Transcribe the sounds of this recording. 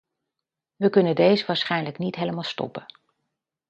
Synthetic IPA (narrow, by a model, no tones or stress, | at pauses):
ʋəkɵnəndejzəʋaːɹsχɛjnləknitɦejləmaːlˠstɔ̰pən